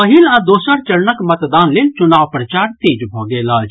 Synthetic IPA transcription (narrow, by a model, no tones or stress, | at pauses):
əɦilãd̪oːsəɾt͡ʃəɽnəkmət̪d̪aːnlelt͡ʃʊnaːʋpɾət͡ʃaːɾt̪eːd͡ʒbʱɔɡeləːd͡ʒ